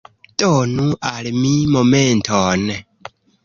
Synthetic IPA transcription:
tɔnuʔalmimomentʰɔn

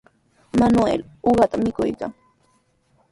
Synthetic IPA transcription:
manʊḛl | oɢɑt̪amɪkʊ̰jka̰ŋ

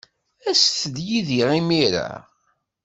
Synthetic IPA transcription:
æsθəd̪jiðiʁimiɾa̰

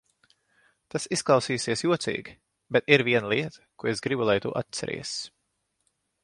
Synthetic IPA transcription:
t̪asisklˠɑwsiːsiɛsjuɔt̪sḭːɡʲi | bet̪iɾviɛnalˠiɛt̪ḁkuesɡɾibulˠajt̪ṵʔa̰t̪t̪sɛ̰ɾḭɛs

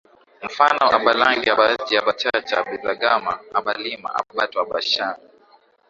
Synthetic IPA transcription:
m̩fanɔʔaɓalaŋɡiaɓad͡ʒiaɓat͡ʃat͡ʃaɓizaɡama̰aɓalima̰ʔa̰ɓaɓatuaɓaʃana

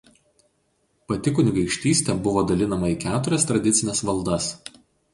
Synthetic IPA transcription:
pɐt̪ʲɪkʊnʲɪɡɐɪkʃʲt̪ʲiːsʲt̪ʲɛbʊʋoːd̪ɐlʲɪnɐmɐiːˑkʲæːt̪ʊɾʲɛst̪ɾɐd̪ʲɪt̪sʲɪnʲɛsʋɐlˠd̪ɐs

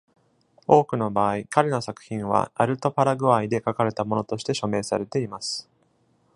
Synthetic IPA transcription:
o̞ːkɯ̟no̞baːikaɾe̞no̞sakɯ̟̥çĩɰ̃β̞a̰a̰ɾɯ̟t̪o̞paɾaɡɯ̟βaid̪e̞kakaɾe̞t̪amo̞no̞t̪o̞ɕi̥t̪e̞ɕo̞me̞ːsaɾe̞t̪e̞imasɨ̥

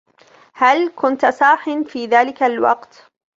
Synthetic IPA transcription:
halkʊnt̪saːħɪnfiːðaːlɪkalwɑ̰qt̪

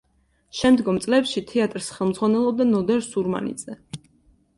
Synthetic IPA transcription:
ʃɛmd̪ɡɔmt̪sʼlɛpʃit̪ʰɛat̪ʼɾsχɛlˠmd̪zʁwanɛlˠɔb̚d̪anɔd̪ɛɾsuɾma̰nḭd̪z̥ɛ

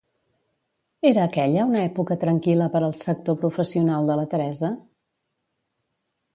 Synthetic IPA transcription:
eɾəːkɛʎəunəɛpukət̪ɾəŋkiləpəɾəlˠsək̚t̪opɾufəsiunalˠd̪ələt̪əɾɛzə

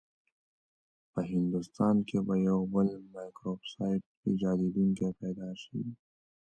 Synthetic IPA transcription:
pɐɦɪ̃nd̪ust̪aːnkebɐjowbəlmaːjkɾoːbsaːɪʈ̚kid͡ʒaːd̪id̪uŋkepɛːd̪aːʃḭ

